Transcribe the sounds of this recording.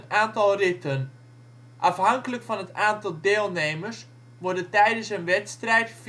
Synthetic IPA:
naːntɑlˠrɪtən | ʔɑfɦɑŋkələkfɑnɦətaːntɑlˠdeːlˠnejmərs | ʋɔɹdəntɛjdənsənʋɛtstrɛjtf

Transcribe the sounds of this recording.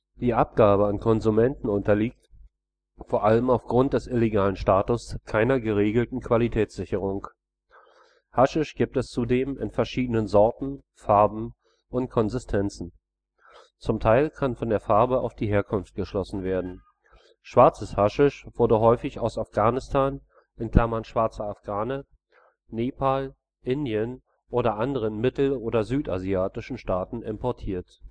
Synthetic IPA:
d̥iːʔap̚ɡ̥aːbəankʰɔnzumɛntn̩ʊntɐliːk̚t | foːɐʔaləmaʊfɡ̥ʁʊnt̚d̥ɛsʔɪleɡaːlən̩ʃtaːtʊskʰaɪnɐɡəʁeːɡl̩tn̩kʰv̥alitʰɛːt͡sz̥ɪçəʁ̞ʊŋ | haʃɪʃɡ̥iːp̚tɛst͡sudeːmɪ̰nfɛɐʃiːdənənzɔɐtn̩ | faɐbm̩ | ʔʊntkʰɔnzɪstʰɛnt͡sn̩ | t͡sʊmtʰaɪlkʰanfɔndeːɐfaɐbəa̰ʊfd̥iːɦeːɐkʰʊnft̚ɡ̥əʃlɔsn̩veːɐdn̩ | ʃv̥aɐt͡səshaʃɪʃv̥ʊɐdəɦɔʏfɪçaʊsafɡ̥aːnɪstʰaːn | ʔɪnkl̥amɐnʃv̥aɐt͡sɐafɡ̥aːnə | neːpʰaːl | ʔɪndjən | ʔoːɾɐʔandəʁ̞ənmɪtl̩oːɾɐzyːta̰ziaːtɪʃn̩ʃtaːtn̩ɪmpɔɐtʰiːɐt

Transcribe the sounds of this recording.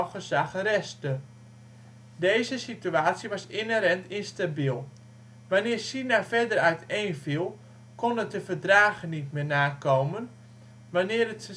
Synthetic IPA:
χəsaχəɾɛstə | dejzəsityaːtsjiʋɔsɪnəɾɛntɪnstabilˠ | ʋanɪːrsinafɛdərœɥtejnfilˠ | konətdəfərdraːɣənitmɪːnaːkoːmən | ʋanɪːərət

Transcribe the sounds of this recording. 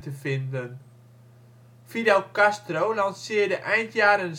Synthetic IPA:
təfɪndən | fidɛlˠkastrowlansɪədəʔɛjntʰjaːɾənz

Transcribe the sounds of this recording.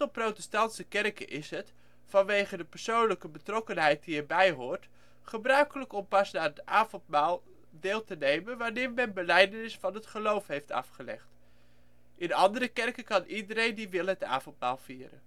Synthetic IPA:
təlˠprowtəstɑntsəkɛrkəʔɪsɦət | fɑnʋejχədəpəɹsownləkəbətrɔkənɦɛjt̚diɛɹbɛjɦʊːɹt | χəbrœɥkələkɔmpɑsnaːətaːvɔntmaːlˠ | dɪːlˠtənejmənʋanɪːɹmɛnbəlɛjdənɪsfɑnɦətχəlowfɦejftɑ̰fχəlɛ̰χt | ʔɪnɑ̰ndərəkɛrkəkɑnʔidəɾejndiʋɪlˠɦəta̰ːvɔntma̰ːlˠv̥iːɾə̰n

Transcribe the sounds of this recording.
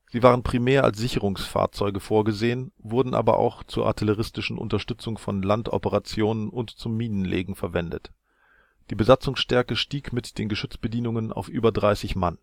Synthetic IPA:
z̥iːvaːʁ̞ənpʁ̥imɛːɐʔa̰ls̬z̥ɪçəʁ̞ʊŋsfa̰ːɐt͡sɔʏɡəfoːɐɡəzeːənvʊɐdn̩ʔa̰ːbɐ̰ʔa̰ʊxt͡suːɐʔa̰ɐtʰɪləʁ̞ɪstɪʃn̩ʔʊ̰ntɐʃtʏt͡sʊŋfɔnlantʔɔ̰pəʁat͡sjoːnənʊntt͡sʊmːiːnənlʔḛːɡŋ̩fɛɐvɛndə̰t | d̥iːbəzat͡sʊŋsʃtɛɐkəʃtiːkmɪtd̥eːnɡəʃʏt͡sb̥ədiːnʊŋəna̰ʊfʔyːbɐdʁaɪsɪçman

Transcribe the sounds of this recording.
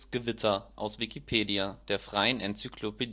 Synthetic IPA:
sɡ̥əvɪtʰɐʔa̰ʊsv̥ikʰipʰeːdiad̥eːɐfʁ̥aɪənʔɛnt͡sykʰlopʰed

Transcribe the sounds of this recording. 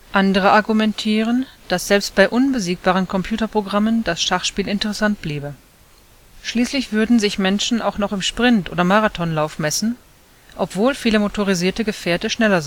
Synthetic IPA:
ʔandəʁ̞əaɐɡumɛntʰiːʁ̞ənd̥asz̥ɛlpst̚b̥aɪʔʊnbəziːk̚b̥aːʁənkʰɔmpʰj̥uːtɐpʁ̥oɡʁamənd̥asʃaχʃpiːlɪntəʁɛsant̚b̥liːbə | ʃliːslɪçv̥ʏɐdn̩zɪçmɛnʃn̩ʔa̰ʊxnɔχɪmʃpʁ̥ɪntʔo̰ːdɐmaʁatʰɔnlaʊfmɛsn̩ | ʔɔpv̥oːlfiːləmotʰoʁiziːɐtəɡəfɛːɐtəʃnɛlɐz

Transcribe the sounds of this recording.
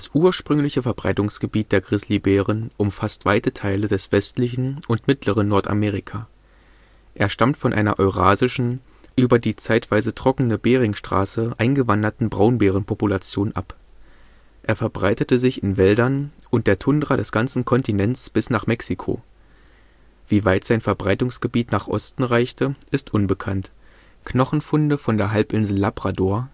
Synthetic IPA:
d̥asʔuːɐʃpʁ̥ʏŋlɪçəfɛɐbʁaɪtʊŋsɡ̥əbiːt̚d̥eːɐɡʁɪsliːbeːʁənʔʊmfastv̥aɪtətʰaɪlədɛsv̥ɛstlɪçn̩ʔʊntmɪtləʁ̞ənːɔɐta̰meːʁ̞ikʰaː | ʔeːɐʃtamtfɔnʔa̰ɪnɐ̰ʔɔʏʁaːzɪʃn̩ | ʔyːbɐdiːt͡saɪtv̥aɪzətʁ̥ɔkənəbeːʁ̞ɪŋʃtʁ̥a̰ːsəʔaɪnɡəvandɐtn̩bʁaʊnbeːʁ̞ənpʰopulat͡sjoːnʔa̰p | ʔeːɐfɛɐbʁaɪtətəzɪçɪnvɛldɐnʔʊnt̚d̥eːɐtʰʊndʁɐɾɛsɡ̥ant͡sn̩kʰɔntinɛnt͡sb̥ɪsnaːχmɛksikʰo̰ː | v̥iːvaɪtz̥aɪnfɛɐbʁaɪtʊŋsɡ̥əbiːtnaːχʔɔ̰stn̩ʁaɪçtəʔɪstʔʊnbəkʰant | kʰnɔχn̩fʊndəfɔndeːɐɦalpʔɪnzl̩ːapʁ̥adoːɐ

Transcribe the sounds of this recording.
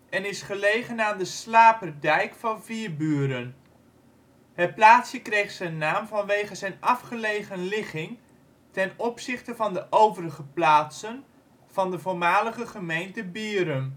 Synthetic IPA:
ɛnɪsχəlejχənaːndəslaːpərdɛjkfɑnviərbyːəɾən | hət̚plaːtsjəkrejχsənːaːmvɑnʋejχəzɛjnɑfχəlejχənlɪχɪŋ | tɛnɔpsɪχtəvɑndəʔowvərəχəplaːtsən | v̥ɑndəvoːɹmaːləχəχəmejntəbiːɾəm

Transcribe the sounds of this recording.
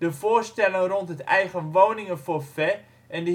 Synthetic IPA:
d̥əvoːrstɛləŋrontɦətɛ̰jɣənʋownɪŋənfoːfɛ | ʔɛndə

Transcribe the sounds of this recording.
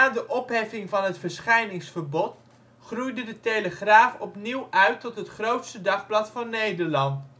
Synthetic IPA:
aːdəʔɔpɦɛfɪŋvɑnɦətfəɹsχɛjnɪŋsfəɹbɔt | χrujdədətejləχraːfɔpniwʔœɥtːɔtɦətχrowtstədɑχblɑtfɑnːejdəɹlɑnt

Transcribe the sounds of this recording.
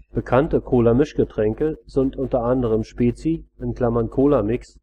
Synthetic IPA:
b̥əkʰantəkʰoːlɐmɪʃɡ̥ətʁ̥ɛŋkəzɪntʔʊntɐʔandəʁ̞əmʃpeːt͡siʔɪnkl̥amɐnkʰoːlamɪks

